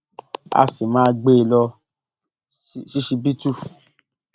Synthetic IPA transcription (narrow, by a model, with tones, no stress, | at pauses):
a̰˧si˨mãː˦ɡ͡be˦˧˨lɔ˧˦ | ʃi˦ʃi˧bi˦tu˦